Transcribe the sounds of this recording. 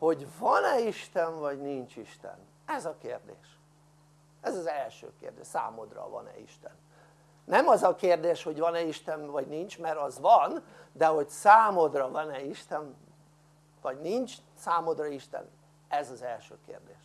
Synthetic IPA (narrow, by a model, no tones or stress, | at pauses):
ho̞ɟvɒnɛiʃt̪ɛɱvɒɟnint͡ʃiʃt̪ɛ̰n | ɛzɒkeːrd̪ḛːʃ | ɛzɒzɛlʃø̰ːkḛːrd̪eːʃsa̰ːmo̞d̪rɒ̰vɒ̰nɛ̰ḭʃt̪ɛnː | ɛmɒzɒkeːrd̪eːʃho̞ɟvɒnɛiʃt̪ɛnvɒɟnint͡ʃmɛɾɒzvɒn | d̪ɛɦo̞ɟsaːmod̪rɒvɒnɛiʃt̪ɛn | vɒɟnint͡ʃ | saːmod̪rɒiʃt̪ɛ̰n | ɛzɒzɛlʃøːkḛːrd̪eːʃ